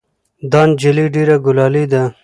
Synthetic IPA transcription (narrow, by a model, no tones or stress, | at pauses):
d̪ɑːnd͡ʒɪliɖeɾaɡʊlɑlid̪a